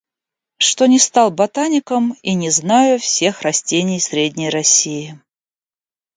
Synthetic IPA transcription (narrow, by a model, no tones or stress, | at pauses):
ʂt̪o̞nʲɪst̪alˠbɐt̪anʲɪkəminʲɪznajʊfsʲe̞xrɐsʲtʲenʲɪjsʲɾʲedʲnʲəjrɐsʲːijɪ